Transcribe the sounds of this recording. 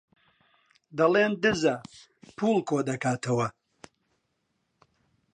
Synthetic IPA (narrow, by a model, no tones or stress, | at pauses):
d̪ɐleːmd̪ɨzɐ | pʰuːlkʰoːd̪ɐkaːt̪ʰɐwɐ